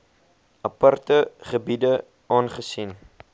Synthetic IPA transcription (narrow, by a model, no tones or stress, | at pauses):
ɐpɐrtəχəbidə | ɑːnχəsin